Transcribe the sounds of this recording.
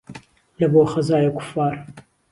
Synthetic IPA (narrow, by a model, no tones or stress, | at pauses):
lɐboːxɐzaːjakʊ̥fːaːɾ